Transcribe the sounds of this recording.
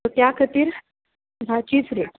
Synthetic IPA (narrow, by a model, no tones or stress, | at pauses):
ot̪jakʰət̪iːɾ | ɡʱat͡ɕiːsɾe